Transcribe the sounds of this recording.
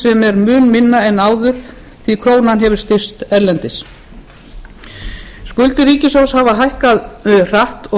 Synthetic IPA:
sɛmɛɾmʏːnmɪnːaɛnːaːwðʏɾ̥ | θikʰɾoːwnanɦɛvʏɾ̥st̪ɪr̥t̪ɛɾlɛnt̪ɪs | skʏlt̪ɪɾriːcɪsowshavaɦajhkaðʏr̥aht̪ɔ

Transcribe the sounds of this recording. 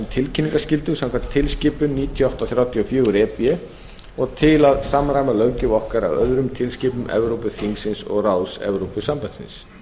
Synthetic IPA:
mt̪ʰɪlcʰɪnːiŋkascɪlt̪ʏsɛmkʰant̪ʰːɪlscɪːpʏniːt̪ʰjɔaɔwht̪awθɾjawt̪ʰjiɔfjʏːɣʏɾɛːpiɛ | ɔɣt̪ʰɪlaðsaːmɾajmalœɣcɪvɔhkaɾa̰wœ̰ðɾʏmt̪ʰɪlscɪːpʏmʔɛ̰vɾowpʏθiŋksɪnsɔ̰ɣraːwsɛ̰vɾowpʏsampajðsɪ̰ns

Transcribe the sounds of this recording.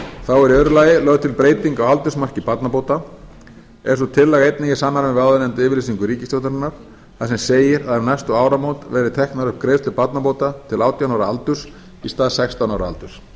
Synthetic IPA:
θawɛɾiœðɾʏlaːjɪlœɣt̪ʰɪlpɾeːjt̪iŋkawalt̪ʏsmar̥cɪpat̪napoːwt̪a | ɛsɔt̪ʰɪlːɛɣejt̪̚nicɪsamːaɾmvɪaðʏnɛnt̪ʏɪːvɪɾlesiŋkʏɾiːcɪst̪owt̪ʏɾɪnːaɾ̥ | θasɛmseːjɪɾaðavnaɛjst̪ʏaːwɾamoːwt̪vɛɾɪt̪ʰɛhknaɾʏhpkɾeːst̪ʏpat̪napowt̪at̪ʰɪlaːwt̪jawnawɾaalt̪ʏs | ist̪aːðsɛkst̪awnawɾaa̰lt̪ʏs

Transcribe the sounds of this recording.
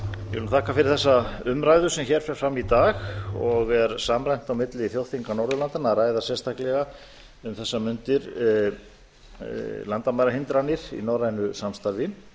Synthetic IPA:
jɪvɪlt̪ʰaːkafɪɾɪɾ̥θɛsːaʏmɾajðʏsɛmçɛɾ̥fɛɾ̥fɾamːit̪aːxɔɣvɛɾsaːmɾajn̥t̪awmɪt̪lɪiθjowθiŋkanɔwɾðʏlant̪anaɾaːjðasɛst̪ʰahklɛɣa | ʏmθɛsːamʏnt̪ɪɾ | lant̪amajɾaɦɪnt̪ɾanɪɾ̥ḭnawɾajnʏsamst̪aɾvɪ

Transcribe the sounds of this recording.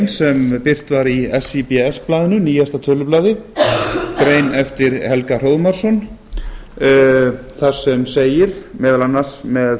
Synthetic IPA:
nsɛmpɪr̥t̪vaɾiɛsipɛɛsplaːðɪnʏniːjast̪at̪ʰœːlʏplaːðɪ | kɾeːjnɛft̪ɪɾhɛlkar̥oːwðmaɾ̥sɔn | θaɾ̥sɛmseːjɪɾ̥mɛːðalanːḁsmɛð

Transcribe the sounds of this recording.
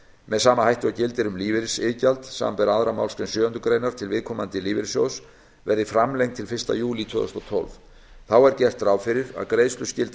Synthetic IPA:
mɛðsaːmahajht̪ʏacɪlt̪ɪɾʏmliːvɪɾsɪːcalt̪sa̰ːmpɛɾaðɾama̰wlskɾɛnsjœːœnt̪ʏkɾejnaɾ̥t̪ʰɪlvɪðkʰɔmant̪ɪliːvɪɾsjo̰ws | vɛɾðɪfɾamlejŋt̪ʰɪlfɪr̥st̪a̰juːlit̪ʰvʏːðst̪ɔwt̪ʰɔ̰lv | θawɛɾcɛr̥t̪ɾawfɪɾɪɾa̰ðkɾejðst̪lʏscɪlt̪

